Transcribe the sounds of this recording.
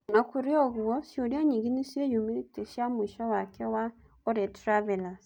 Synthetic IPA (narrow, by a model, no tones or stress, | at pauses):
nakuɾeɔɣwɔsjoɾiaɲiɡinisjejumiteʃjamwiʃɔwakʰɛwa | oɾɛtɾavɛlas